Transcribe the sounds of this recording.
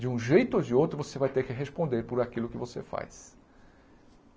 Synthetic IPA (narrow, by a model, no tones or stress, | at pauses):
d͡ʒɪũʒejt̪ʊod͡ʒɪowt̪ɾʊvosevajt̪eɾkɪɦespõnd̪eɾpʊɾakilʊkɪvosḛfa̰js